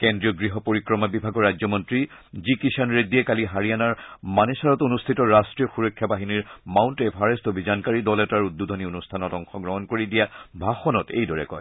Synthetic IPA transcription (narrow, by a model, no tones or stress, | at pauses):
kendɹijɔɡɹiɦɔpoɹikɹɔmabibʱaɡɔɹajzɔmɔntɹizikisanɹediɛkaliɦaɹijanaɹmanesaɹɔtonustʰitɔɹastɹijɔxuɹɔkʰːjabaɦiniɹmawntɛpʰaɹestɔbʱizankaɹidɔlɛtaɹudːudʱɔnionustʰanɔtɔŋxɔɡɹɔɦɔnkoɹidijabʱaxɔnɔtḛjdɔɹɛ̰kɔ̰j